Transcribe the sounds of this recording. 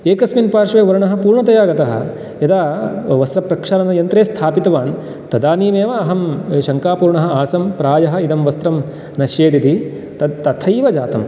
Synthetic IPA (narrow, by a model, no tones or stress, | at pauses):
eːkɐsminpaːɾʃʋeːʋɐɾɐɳɐɦɐ̆puːɾɳɐt̪ɐjaːɡɐt̪ɐɦɐ̰ | ɐd̪aːʋɐst̪ɾɐpɾɐkʂaːnɐnɐjɐnt̪ɾeːst̪ʰaːpit̪ɐʋaːn | t̪ɐd̪aːniːmeːʋɐːɦɐmʃɐŋkaːpuːɾɳɐɦɐ̆aːsɐmpɾaːjɐɦɐ̆id̪ɐmʋɐst̪ɾɐm | nɐʃjeːd̪it̪i | t̪ɐt̪ɐt̪ʰɐjʋɐd͡ʒaːt̪ɐm